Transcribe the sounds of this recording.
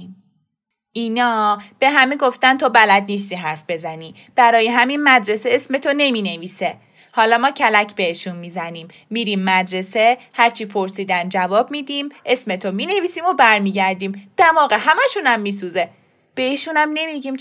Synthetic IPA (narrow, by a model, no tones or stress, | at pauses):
inɒːb̥e̞ɦæmeɡo̞ft̪ænt̪ʰobælæd̪niːst̪iːɦæɾfbe̞zæniː | b̥æɾɒːjeɦæminmæd̪ɾe̞seesme̞t̪ʰone̞miːne̞viːse̞ | hɒːlɒːmɒːcʰælæcʰbe̞eʃunmiːzæniːmːiːɾiːmːæd̪ɾe̞se̞hæɾt͡ʃʰiːpʰoɾsiːd̪ænd͡ʒævɒːb̚miːd̪iːmʔe̞sme̞t̪ʰomiːne̞viːsiːmobæɾmiːɟæɾd̪iːmd̪̥ævɒːɣehæmæʃunæmːiːs̬uːze̞ | b̥e̞iːʃunæmne̞miɟiːm